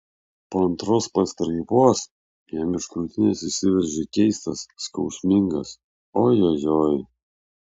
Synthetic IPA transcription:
poːɐnt̪ɾoːspɐst̪ɾɐɪpoːs | jɛmʲɪʃkɾʊːt̪ʲɪnʲɛsɪsʲɪʋʲɛɾʲʒʲɪkʲɛɪst̪ɐsːkɒʊsʲmʲɪŋɡɐs | oːjojoːj

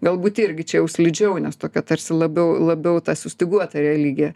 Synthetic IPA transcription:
ɡɐlˠbuːt̪ɪɾʲɡʲɪt͡ʃʲɛjɛʊsʲlʲɪd͡ʒʲɛʊnʲɛst̪oːkʲɛt̪ɐɾʲsʲɪlˠɐbʲɛʊlˠɐbʲɛʊt̪ɑːsʲʊsʲt̪ʲɪɡuɔt̪ɐɾʲɛlʲiːɡʲjɛ

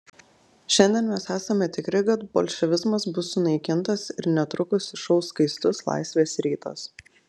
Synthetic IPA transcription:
ʃʲɛnʲd̪ʲɛnmʲɛsæːsɐmʲɛt̪ʲɪkɾʲɪkɐt̪̚bo̰lʲʃʲɛʋʲɪzmɐsbʊsːʊnɐɪkʲɪnt̪ɐsɪɾnʲɛt̪ɾʊkʊsʲʃɐʊskɐɪst̪ʊslˠɑ̰ɪsʲʋʲeːsɾʲiːt̪ɐ̰s

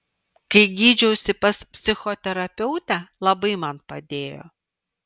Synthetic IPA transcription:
kɐɪɡʲiːd͡ʒʲɛʊsʲɪpɐspʲsʲɪxɔt̪ʲɛɾɐpʲɛʊt̪ʲælˠɐbɐɪmɐnpɐ̰d̪ʲeːjo̰ː

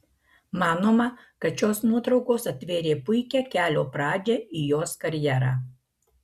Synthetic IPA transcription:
mɑːnoːmɐ | kɐt̪ʃʲoːsnuɔt̪ɾɒʊkoːsɐt̪ʲʋʲeːɾʲeːpʊɪkʲɛkʲæːlʲoːpɾɑːd͡ʒʲɛijoːskɐɾʲjæɾɑː

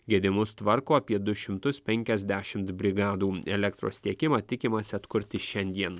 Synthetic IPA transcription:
ɡʲiɛd̪ʲɪmʊst̪ʋɐɾkoːɐpʲiɛd̪ʊʃʲɪmt̪ʊspʲɛŋʲkʲɛzʲd̪ʲæʃʲɪmt̪bʲɾʲɪɡɑːd̪uːɛlʲɛkt̪ɾo̰ːst̪ʲiɛkʲɪmɑːt̪ʲɪkʲɪmɐsʲɪɐt̪kʊɾʲt̪ʲɪʃʲɛnʲd̪ʲiɛn

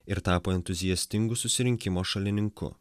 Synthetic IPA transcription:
ɪɾt̪ɑːpoːɛnt̪ʊzʲijɛsʲt̪ʲɪŋɡʊsʊsʲɪɾʲɪŋʲkʲɪmoːʃɐlʲɪnʲɪŋkʊ̰

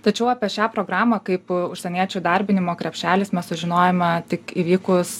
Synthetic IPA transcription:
t̪ɐt͡ʃʲɛʊɑpʲiɛʃʲæːpɾoːɡɾɑːmɐkɐɪpʊʃʲsʲɛnʲiɛt͡ʃʲuːd̪ɐɾʲbʲɪnʲɪmoːkɾʲɛpʲʃʲæːlʲɪsmʲɛssʊʒʲɪnoːjɛmʲɛt̪ʲɪkiʋʲiːkʊs

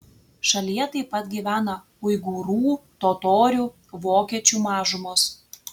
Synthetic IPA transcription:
ʃɐlʲijɛt̪ɐɪpːɐt̪ɡʲiːʋʲæːnɐ | ʊɪɡuːɾuːt̪oːt̪oːɾʲuː | ʋoːkʲiɛt͡ʃʲuːmɑːʒʊmoːs

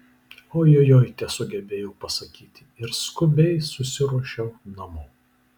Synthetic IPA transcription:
oːjoːjoːjt̪ʲɛsʊɡʲɛbʲeːjɛʊpɐsɐkʲiːt̪ʲɪɪɾskʊbʲɛɪsʊsʲɪɾɔʃʲɛʊnɐmʊː

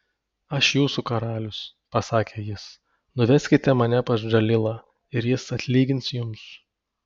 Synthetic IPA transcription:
ɐʃjuːsukɐɾɑːlʲʊs | pɐsɑːkʲeːjɪs | nʊʋʲɛsʲkʲɪt̪ʲɛmɐnʲɛpɐʃʒɐlʲɪlˠɐ | ɪɾjɪsɐt̪ʲlʲiːɡʲɪnsʲjʊms

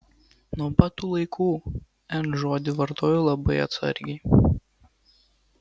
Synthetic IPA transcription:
nuɔpɑt̪uːlˠɐɪkʰuː | ɛnʒoːd̪ʲɪʋɐɾt̪oːjolˠɐbɐɪɐ̰t̪sɐ̰ɾʲɡʲɛɪ

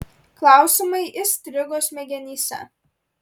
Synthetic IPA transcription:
klˠɑˑʊsʲimɐɪʔɪsʲt̪ʲɾʲɪɡoːsmʲɛɡʲɛnʲiːsʲɛ̰

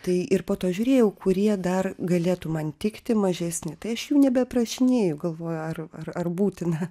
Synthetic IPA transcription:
t̪ɐɪɪrpoːt̪oːʒʲʊːɾʲeːjɛʊkʊɾʲiɛd̪ɐrɡɐlʲeːt̪ʊmɐnt̪ʲɪkt̪ʲɪmɐʒʲɛːsʲnʲɪt̪ɐɪɐʃjuʊnʲɛbʲɛprɐʃʲɪnʲeːjʊɡɐlˠʋoːjʊɐrɐrɐrbuːt̪ʲɪnɐ

